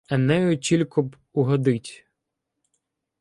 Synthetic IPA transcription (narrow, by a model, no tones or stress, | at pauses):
ɛnɛjʊt͡ʃʲilʲkʊb | ʊɦɔd̪ɪtʲ